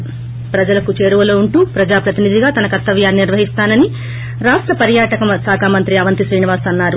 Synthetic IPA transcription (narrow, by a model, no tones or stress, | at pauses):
pɾɐd͡ʒɐlɐkut͡ʃe̞ːɾuʋɐlo̞ːuɳʈuːpɾɐd͡ʒaːpɾɐt̪inid̪iɡaːt̪ɐnɐkɐt̪ːɐʋjaːnːiniɾʋɐɦist̪aːnɐni | ɾaːsʈɾɐpɐɾjaːʈɐkɐmsaːkʰaːmɐnt̪ɾiɐʋɐnt̪isɾiːniʋaːsɐnːaːɾu